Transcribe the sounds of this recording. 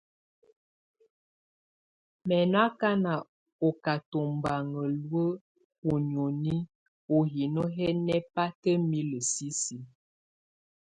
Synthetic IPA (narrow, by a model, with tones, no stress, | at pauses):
mɛ˨n˦a˦ka˦na˨ | o˨ka˨to˨m˨ba˨ŋə˨lwə˦ | o˨ɲ˨o˨ni˦ | o˨ɦi˨no˦ɦɛ˦nɛ˦pa˦tə˦mi˦lə˨si˦si˨